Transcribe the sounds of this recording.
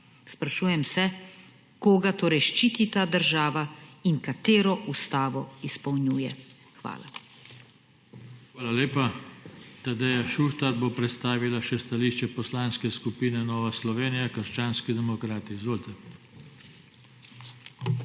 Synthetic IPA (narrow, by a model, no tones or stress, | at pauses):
spɾaʃuːjɛmsɛ | koːɡat̪oːɾɛjʃt͡ʃiːt̪it̪ad̪əɾʒaːʋaiŋkat̪eːɾɔʔust̪aːʋɔispɐwɲjuːjɛ | xʋa̰ːla̰ | xʋaːlaleːpa | t̪ad̪ɛjaʃuʃt̪aɾbopɾɛt̪st̪aːʋilaʃɛst̪aliːʃt͡ʃɛpɔslanskɛskupiːnɛnɔːʋaslɔʋeːnijakəɾʃt͡ʃaːnskid̪ɛmɔkɾaːt̪izʋoːlt̪ɛ